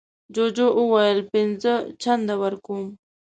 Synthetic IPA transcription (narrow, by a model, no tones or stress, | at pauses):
d͡ʒod͡ʒoʔuwajəlpɪnzət͡ʃʰand̪awaɾkum